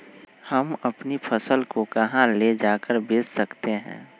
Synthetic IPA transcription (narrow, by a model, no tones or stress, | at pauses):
hɐmɐpnipʰɐsəlkokɐɦãleːd͡ʒaːkəɾbeːsːɐkt̪eɦɛ̰̃ː